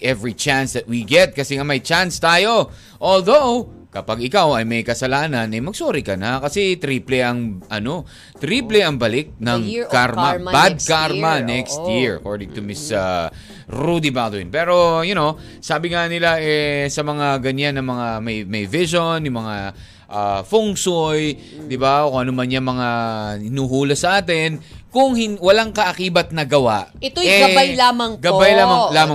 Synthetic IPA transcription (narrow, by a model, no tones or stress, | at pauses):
ʔɛvɹit͡ʃansðɐt̪̚wiɡɛt̪̚kɐsɛŋamɐjt͡ʃanst̪aːjo̞ | ʔold̪ow | kɐpɐɡɪkawɐjmɐjkɐsɐlaːnɐnɐjmɐɡ̚soːɾɪkɐnakɐsɛt̪ɾiːplɛʔɐŋʔɐno̞ | t̪ɾiplɛʔɐŋbɐlɪk̚nɐŋkaɾmabad̪̚kaɾmɐnɛkst̪jɪɹɐ̰koɹd̪ɪŋt̪ʊmɪsa | ɹud̪ɪbad̪wɪ̰npɛːɾo̞jʊno | saːbɪŋanɪlaʔɛsɐmɐŋaɡɐɲanːɐŋmɐŋamɐjmɐjvɪʃonjʊŋmɐŋa | ʔafʊŋsoj | d̪ɪbakoʊŋʔɐnomɐnɲamɐŋaɪnuːɦuːlɐsɐʔaːt̪ɪnkʊŋhɪwɐlaŋkɐʔɐkiːbɐt̪̚nɐɡɐwaʔɛt̪oɛɡɐajjlamɐŋɡɐbbajlamɐlaːmɐ